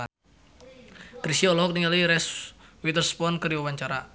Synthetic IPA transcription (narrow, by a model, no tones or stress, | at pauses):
kɾisiɔlɔɦɔk̚niŋaliiɾɛswit̪ərspɔnkəɾiwawaɲt͡ʃaɾa